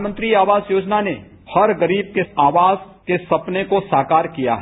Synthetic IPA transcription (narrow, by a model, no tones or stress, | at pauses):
mə̃nt̪ɾiaːʋaːzjoːd͡ʒnane | hɐɾɡəɾiːb̚keaːʋaːz | kesɐpnekosaːkaːɾkija̰ɦ